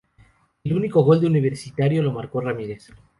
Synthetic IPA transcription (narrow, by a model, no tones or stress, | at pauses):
eluniko̞ɣo̞ld̪euniβ̞e̞ɾsit̪aɾjo̞lo̞maɾko̞ramiɾes